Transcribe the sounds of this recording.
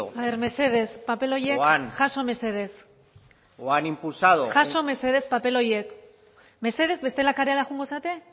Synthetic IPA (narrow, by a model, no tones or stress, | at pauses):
aβe̞ɾme̞se̞ð̞e̞spape̞lo̞jeanʝaso̞me̞se̞ð̞e̞s | oanimpulsaðoʝaso̞me̞seð̞e̞spape̞lo̞jek | me̞se̞ð̞e̞zβe̞st̪e̞lakaɾealaʝuŋɡo̞sat̪e̞